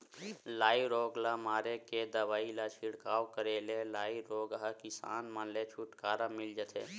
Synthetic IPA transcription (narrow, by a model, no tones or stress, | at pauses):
laːiɾoːɡlamaːɾeked̪əʋaːilat͡ʃʰɪɽkaːokəɾeːlelaːiɾoːɡɦakɪsa̰ːnmaːnlet͡ʃʰuʈkaːɾamɪld͡ʒət̪ʰḛː